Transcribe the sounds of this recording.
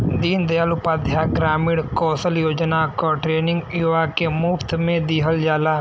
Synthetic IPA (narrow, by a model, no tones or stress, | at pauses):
d̪iːnd̪ealʊpaːd̪ʱjaɡɾaːmɪɽkɔːsəljoːd͡ʒnaːkɔʈɾeːnɪ̃ŋɡiaːkemuːft̪ʰmẽd̪iːɦəld͡ʒaːlaː